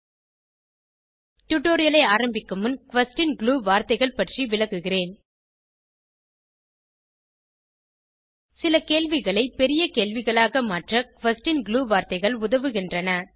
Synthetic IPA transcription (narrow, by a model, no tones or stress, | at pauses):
ʈʊʈːoːɾɪjɐlɐɪaːɾɐmbɪkːɯmɯnkʋɐsʈɪnɡɭuːʋaːɾt̪ɐɪɣɐɭpɐʈriʋɪlɐɣɯɣɪreːn | sɪlɐkeːɭʋɪɣɐɭɐɪpɛɾɪjɐkeːlʋɪɣɐɭaːɣɐmaːʈrɐkʋɐsʈɪnɡɭuːʋaːɾt̪ɐɪɣɐɭʊðɐʋɯɣɪndrɐnɐ